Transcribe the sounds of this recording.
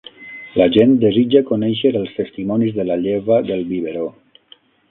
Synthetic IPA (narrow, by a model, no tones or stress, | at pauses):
laʒent̪d̪ezid͡ʒakonɛʃəɾəlˠst̪est̪imɔnizðəlaʎeβaðəlˠβiβeɾo